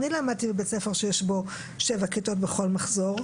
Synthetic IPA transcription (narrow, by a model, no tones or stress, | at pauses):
nilaːmad̪̚t̪ibebet͡sefeʁʃejeʃbo̞ | ʃevakito̞tbeχo̞lmaχzo̞ʁ